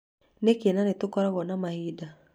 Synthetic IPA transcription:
nekenanetʊkɔɾaɣɔnamahida

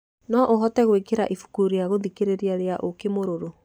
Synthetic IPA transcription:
nɔʔoɦɔtɛɣwekeɾa̰ʔifu̥kuɾiaɣoðikeɾeɾeaɾeaʔokemoɾoɾo

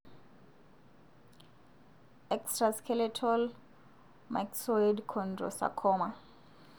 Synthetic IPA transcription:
ɛkstraskʰɛlɛtʰɔl | maksɔjdkʰɔndrɔ̰sa̰kʰɔːma

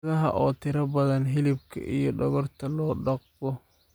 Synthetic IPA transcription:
ðɐɦɐ̰ʔɔːt̪ʰɪɾɐbɐðɐnɦɪlɪb̚kʰɐ̰ʔijɞɖɔɣɔrt̪ʰɐlɔːɖɑqbɔ

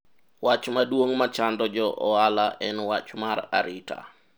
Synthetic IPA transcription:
wat͡ʃmadwoŋmat͡ʃandɔd͡ʒɔʔɔalaʔɛnwat͡ʃmaɾa̰ɾitʰa̰

